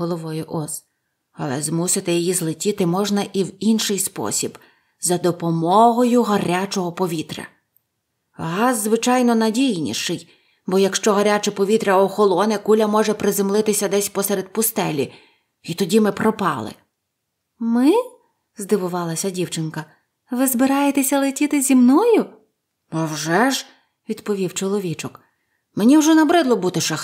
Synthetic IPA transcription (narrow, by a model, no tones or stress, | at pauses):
ɦɔlˠɔʋɔjʊʔɔs | ɐ̰lˠɛzmusɪt̪ɪjijizlˠɪtʲit̪ɪmɔʒnɐʔiwinʃɪjspɔ̰sʲib | zɐd̪ɔpɔmɔɦɔjʊɦɐɾʲat͡ʃɔɦɔpɔʋʲit̪ɾʲɐ̰ | ɦɑzzʋɪt͡ʃɑjnɔnɐdʲijnʲḭʃɪj | bɔjɐkʃt͡ʃɔɦɐɾʲat͡ʃɛpɔʋʲit̪ɾʲɐɔxɔlˠɔnɪkulʲɐmɔʒɛpɾɪzemlˠɪt̪ɪsʲɐd̪ɛsʲpɔsɛɾed̪̚pʊst̪ɛlʲi | it̪ɔdʲimɪpɾɔpɑ̰lˠɪ̰ | mɪ | zd̪ɪʋʊʋɑlˠɐsʲɐdʲiwt͡ʃɪnkɐ | ʋɪzbɪɾɑjet̪esʲɐlˠetʲit̪ɪzʲimnɔjʊ | ɐwʒɛʒ | ʋʲid̪pɔʋʲiwt͡ʃɔlˠɔʋʲit͡ʃʊk | menʲiwʒɛnɐbɾɪd̪lˠɔbut̪ɪʃɐx